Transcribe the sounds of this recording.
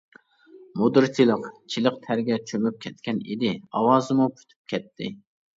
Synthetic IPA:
mod̪ɨɾt̪ʰilˠəqt͡ʃʰiləqt̪ʰæɾɡʲɛt͡ʃʰømyp̚kʲʰɛt̪kʲɛnḭd̪ɪɑwɑːzɨmupʰy̥t̪ʰy̥p̚kʲɛt̪ʰːɪ

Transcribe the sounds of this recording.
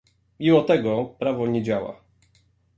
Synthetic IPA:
mʲimɔt̪ɛɡɔpɾavɔɲed͡ʑawa̰

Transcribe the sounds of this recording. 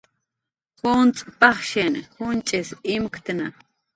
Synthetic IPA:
xont͡sʼpɑχʃenhʊnt͡ʃʼesimkt̪na

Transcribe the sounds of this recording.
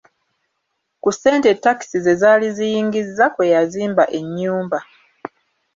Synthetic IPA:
kuse̞ːnte̞tːaki̥size̞zaːlizijiːŋɡizːakwe̞jaziːmbaʔe̞ɲːuːmba

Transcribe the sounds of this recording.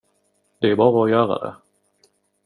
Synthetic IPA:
d̪̥ɛæɾbɑːɾaɔjœːɾa̰d̪ɛ̰

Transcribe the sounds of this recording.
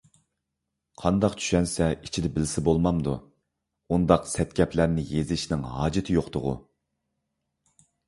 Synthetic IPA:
qʰɑnd̪ɑqt͡ʃʰy̥ʃɛnsɛit͡ʃʰid̪ɛbɪlsɪbolˠmɑmd̪u | und̪ɑqsɛt̪̚kʲʰɛpʰlæɾnɪjezɪʃnɪŋhɑːd͡ʒɪt̪ʰɪjoqt̪ʊʁʊ̰

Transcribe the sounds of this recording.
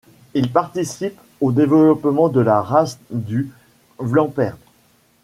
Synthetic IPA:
ilpaʁt̪isip | od̪evəlɔpmɑ̃d̪əlaʁasd̪y | vlɑ̃pɛʁd

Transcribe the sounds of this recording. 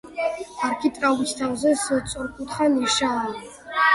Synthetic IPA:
arkʰit̪ʼralit͡ʃt̪ʰawzɛsɨsʼɔɾkʼut̪ʰχaniʃa

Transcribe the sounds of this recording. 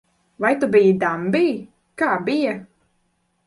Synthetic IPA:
vajt̪ubijid̪ambiː | kaːbija

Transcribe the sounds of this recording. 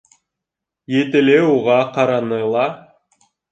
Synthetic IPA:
jet̪eleuʁɑqɑɾɑnɯlˠɑ

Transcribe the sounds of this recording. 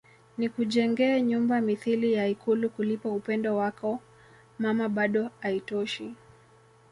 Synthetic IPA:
nikuʄɛŋɡɛːɲumbamiθilijaikulukulipaupɛndɔwakɔ | mamaɓaɗɔaitɔʃi

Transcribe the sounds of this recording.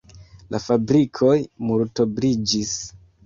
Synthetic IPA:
lʔafabɾikʰo̞jmuɾto̞bɾid͡ʒis

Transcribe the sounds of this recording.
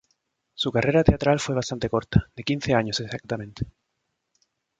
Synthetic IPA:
sukarʔe̞ɾat̪eat̪ɾalfwe̞βast̪ant̪eko̞ɾt̪ḁðd̪ekin̟θeaɲosesak̚t̪amẽnt̪e̥

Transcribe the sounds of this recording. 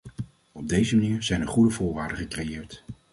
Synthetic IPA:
ɔb̚dejzəmaniːɹz̥ɛjnəɹχudəvʊːɹʋaːɹdəχəkrejɪːɹt

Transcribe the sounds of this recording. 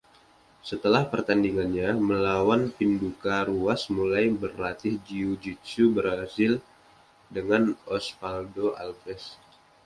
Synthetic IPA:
sət̪əlahpərt̪andiŋanɲaməlawanpindukaɾuasmulajbərlat̪ɪhd͡ʒiud͡ʒit͡ʃubəɾasɪl | dəŋanɔspaldoa̰lfɛs

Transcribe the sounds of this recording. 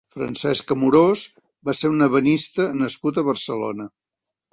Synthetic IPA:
fɾə̰nsɛskəmuɾos | baseɾunəβənist̪ənəskut̪əβərsəlo̰nə

